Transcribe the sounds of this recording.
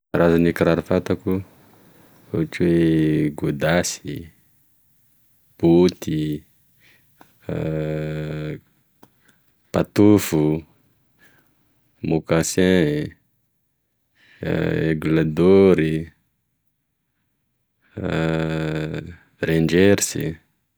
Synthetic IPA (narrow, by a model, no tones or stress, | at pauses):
ɾazanikiɾaɾufat̪aku | aakiweɡud̪asi | b̥ut̪i | pat̪ufu | mukasɛ̃ | eɡulad̪oɾi | rend͡ʒɛɾsḭ